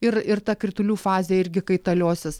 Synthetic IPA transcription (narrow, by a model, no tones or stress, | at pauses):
ɪɾɪrt̪ɐkɾʲɪt̪ʊlʲuːfɑːzʲeːɪɾʲɡʲɪkɐɪt̪ɐlʲoːsʲɪs